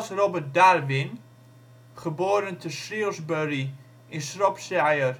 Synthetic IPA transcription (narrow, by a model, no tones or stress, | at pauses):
srobət̚darʋɪn | χəboːɾəntʰəsriəlˠzbøri | ɪnsrɔpsajər